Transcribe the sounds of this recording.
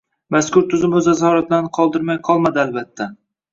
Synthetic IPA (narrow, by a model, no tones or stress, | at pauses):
maskʊɾt̪ʰʊzɪmɵzazhɒɾat̪̚lanɨqʰɒlˠd̪ɪɾmajqʰɒlˠmad̪ɪalbat̪ʰːa